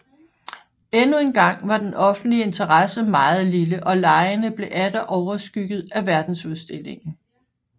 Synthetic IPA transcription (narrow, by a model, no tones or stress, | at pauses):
enue̝nɡ̥ɑ̈ŋ̰ʋɑ̈d̥enɒ̽fn̩d̥lie̝nt͡sʰɐʁɑsəmɑ̈ːð̞̩ˠliləʔɒ̽lɑ̈ɪənəb̥le̝ʔæd̥əʔɒʊɐsɡ̥yɡ̥ð̞̩ˠæʋæɐd̥n̩suð̞ˠsd̥e̝le̝ŋn̩